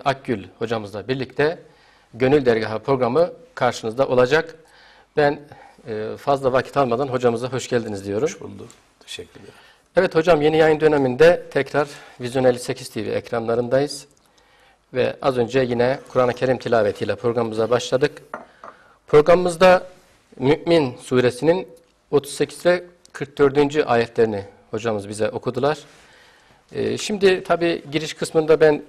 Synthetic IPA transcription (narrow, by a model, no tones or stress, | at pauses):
ak̚ɟylʲho̞d͡ʒamɯzd̪ˠabiɾlʲic̚t̪ʰɛ | ɟø̞nylʲd̪æɾɡaɦapʰɾo̞ɡɾamɯkʰaɾʃɯnɯzd̪aʔo̞lˠad͡ʒak | bænː | fazlˠavacʰi̥t̪ʰalˠmad̪anɦo̞d͡ʒamɯzaɦo̞ʃɟælʲd̪inizd̪ijo̞ɾumʰ | ɛvɛt̪ho̞d͡ʒamje̞nijajɯnd̪ø̞nɛmind̪ɛt̪ʰɛcɾaɾvizjo̞nelʲisecʰist̪ʰivḭɛ̰cɾanlˠaɾɯnd̪ajɯz̥ | vɛ̰a̰zø̞nd͡ʒɛjinɛkʰuɾanacʰe̞ɾimt̪ʰilʲaːvet̪ʰijlʲɛpʰɾo̞ɡɾamɯmɯzabaʃlˠad̪ɯk | pʰɾo̞ɡɾamɯmɯzd̪a | myʔminsuːɾesinin | o̞t̪ʰu̥zse̞cʰizvɛ | kʰɯɾk̚d̪ø̞ɾd̪ynd͡ʒyʔaːjɛt̪ʰlʲe̞ɾini | ho̞d͡ʒamɯzbizɛʔo̞kʰud̪ulˠaɾ̥ | ɯ̰ːʃimd̪it̪ʰabiːɟiɾiʃkʰɯsmɯnd̪abæn